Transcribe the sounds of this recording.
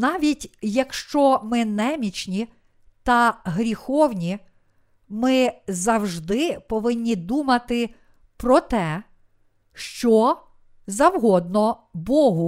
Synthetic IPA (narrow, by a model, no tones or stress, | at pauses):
nɑʋʲitʲjɐkʃt͡ʃɔmɪnɛmʲit͡ʃnʲi | t̪ɐɦɾʲixɔwnʲi | mɪzɐwʒd̪ɪpɔʋɪnʲːid̪umɐt̪ɪ | pɾɔt̪ɛ | ʃt͡ʃɔ | zɐwɦɔd̪̚nɔbɔɦʊ